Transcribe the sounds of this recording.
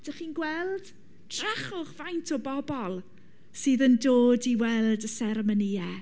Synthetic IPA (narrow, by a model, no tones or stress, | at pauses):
d̥aχiːnɡwɛlˠd̥ | d̥raχʊχv̥ajntʰɔbɔbɔlˠ | sɨːðəndoːdiwɛlˠdəsɛɾəməniɛ